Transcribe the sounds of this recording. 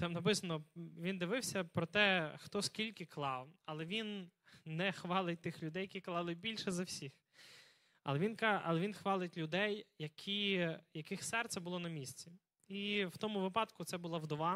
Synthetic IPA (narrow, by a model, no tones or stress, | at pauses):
t̪ɑmnɐp̬ɪsɐnɔʋʲind̪ɪʋɪwsʲɐpɾɔt̪ɛxt̪ɔskʲilʲkɪklˠɑwɐlˠɛʋʲinːɛxʋɑlˠɪt̚ʲt̪ɪxlʲʊd̪ɛjːɐkʲiklˠɑlˠɪbʲilʲʃɛzɐwsʲix | ɐ̰lˠɛʋʲinkʔɐ̰lˠɛʋʲinxʋɑlˠɪtʲlʲʊd̪ɛjːɐkʲʰijɐkɪxsɛrt̪sɛbʊlˠɔnɐmʲisʲt͡sʲi | iw̥t̪ɔmʊʋɪpɑd̪kʊt̪sɛbʊlˠɐwd̪ɔʋɑ